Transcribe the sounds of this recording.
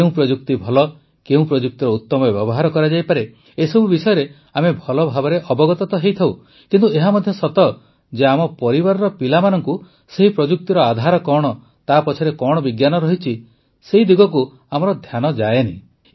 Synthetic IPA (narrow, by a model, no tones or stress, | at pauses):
ũpɾɔd͡ʒuk̚t̪ibʱɔlɔ | keũpɾɔd͡ʒuk̚t̪iɾɔut̪ːɔmɔbjɔbɔɦaɾɔkɔɾad͡ʒajpaɾe | esɔbʱubisɔjɔɾe | amebʱɔlɔbʱabɔɾeʔɔbɔɡɔt̪ɔt̪ɔɦejt̪ʰaw | kint̪ueɦamɔd̪ʱjɔsɔt̪ɔ | d͡ʒeamɔpɔɾibaɾɔɾɔpilamanɔŋku | seɦipɾɔd͡ʒuk̚t̪iɾɔad̪ʱaɾɔkɔɽ̃ɔ | t̪apɔt͡ʃʰɔɾekɔɽ̃ɔbiɡjanɔɾɔɦit͡ʃʰi | seɦid̪iɡɔk̬u | amɔɾɔd̪ʱjanɔd͡ʒaenḭ̃